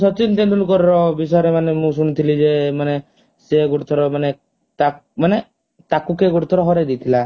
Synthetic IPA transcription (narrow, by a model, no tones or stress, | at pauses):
sɔt͡ʃint̪end̪ulukɔɾɔɾɔbisɔeɾemanemũs̬unit̪ʰilid͡ʒemane | seɡuɽt̪ʰɔɾɔmane | t̪amane | t̪akukeɡuɽt̪ʰɔɾɔɦɔɾed̪it̪ʰila